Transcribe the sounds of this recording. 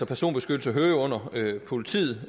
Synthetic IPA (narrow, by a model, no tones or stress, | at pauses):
ɒpʰæɐso̝̰ːnb̥e̝sɡ̥ød̥l̩səɦøːɔ̽n̰ɐøpʰo̝lit͡sʰḭːð̩ˠ